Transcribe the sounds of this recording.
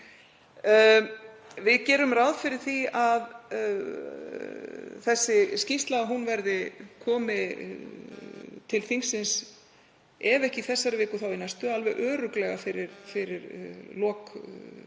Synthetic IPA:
vɪðcɛːɾʏmrawðfɪɾɪɾ̥θiað | θɛsːɪscist̪laɣaɦunvɛɾðɪkʰɔːmɪ | t̪ʰɪlθiŋsːɪns | ɛvɛhcɪiθɛsːaɾvɪːkʏθawɪnːast̪œːalvɛɣʔœːɾʏklɛɣafɪɾɪɾfɪɾɪɾlɔːk

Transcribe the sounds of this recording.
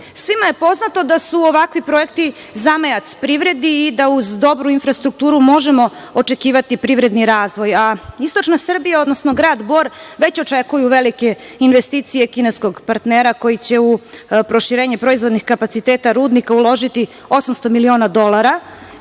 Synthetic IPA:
sʋimaje̞po̞znat̪o̞d̪asuoʋakʋipɾo̞je̞kt̪i | zamejat̪spɾiʋɾe̞d̪iːd̪auzd̪o̞bɾuinfɾast̪ɾuk̚t̪uːɾumo̞ʒemo̞ot͡ʃekiːʋat̪ipɾiʋɾe̞d̪niɾaːzʋo̞jaist̪o̞t͡ʃnasr̩bijao̞d̪no̞snoɡɾaːd̪bo̞ɾʋe̞t͡ɕo̞t͡ʃe̞kujuʋe̞likeinʋe̞st̪iːt̪sijekine̞sko̞ɡpaɾt̪neːɾako̞jit͡ɕe̞upɾo̞ʃiɾeːɲɛpɾo̞izʋo̞d̪nixkapat̪sit̪eːt̪aɾuːd̪nikaulˠo̞ʒit̪i | o̞samst̪o̞milio̞ːnad̪o̞lˠaɾa

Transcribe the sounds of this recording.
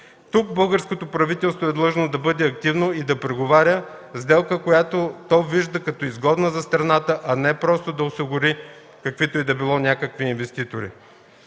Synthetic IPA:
t̪uk̚bɤlˠɡəɾskot̪opɾɐvit̪ɛlˠst̪voɛd̪lˠɤʒnod̪ɐbɤd̪ɛɐk̚t̪ivnoid̪ɐpɾɛɡovaɾʲə | zd̪ɛlˠkəkojat̪ot̪ɔjviʒd̪əkɐt̪ɔizɡɔd̪nəzɐst̪ɾɐnat̪əʔɐnɛpɾɔst̪od̪ɐosiɡʊɾi | kɐkvit̪oid̪ɐbilˠɔnʲakəkviːnvɛst̪it̪oɾḭ

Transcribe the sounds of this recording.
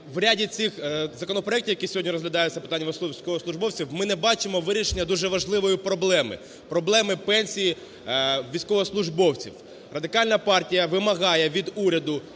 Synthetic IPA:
ʋɾʲadʲit͡s̪ʲɪxzɐkɔnɔpɾɔɛktʲiwjɐkʲisʲɔɦɔdʲnʲiɾɔzɦlʲɐd̪ɑjʊt͡sʲɐpɪ̥t̪ɑnʲːɐɔsˠisʲkɔʋɔslˠʊʒbɔwt͡sʲiwmɪnɛbɑt͡ʃɪmɔʋɪɾʲiʃenʲːɐd̪uʒɛʋɐʒlˠɪʋɔjipɾɔblˠɛmɪ̰ | pɾɔblˠɛmɪpɛnʲsʲiji | ʋʲijsʲkɔʋɔɔslˠʊʒbɔwt͡sʲḭw | rɐd̪ɪkɑlʲnɐpɑrtʲijɐʋɪmɐɦɑjɛʋʲid̪uɾʲɐd̪ʊ

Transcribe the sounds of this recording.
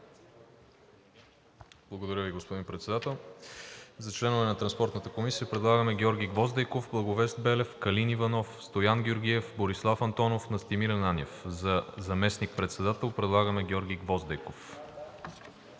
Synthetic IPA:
b̥lˠɐɡod̪ɐɾʲjəviɡospod̪inpɾɛt̪sɛd̪at̪ɛlˠ | zɐt͡ʃlɛnovɛnɐt̪ɾɐnspɔɾt̪nət̪əkomisijəpɾɛd̪lˠaɡəmɛɡʲɔɾɡʲijɡvɔzd̪əjkovblˠɐɡovɛst̪̚bɛlɛfkɐlinivɐnɔfst̪ojanɡʲoɾɡʲiɛfboɾislˠafɐnt̪ɔnofnɐst̪imiɾɐnanʲɛfzɐzɐmɛsnik̚pɾɛt̪sɛd̪at̪ɛlˠpɾɛd̪lˠaɡəmɛɡʲɔɾɡʲijɡvɔzd̪ɛjkof

